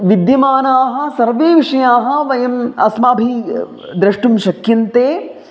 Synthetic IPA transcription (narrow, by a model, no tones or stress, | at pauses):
ʋid̪jɐmaːnaːɦɐ̆sɐɾʋeːʋiʂɐjaːɦɐ̆ʋɐjɐmɐsmaːbʱi | d̪ɾɐʂʈumʃɐkjɐnt̪eː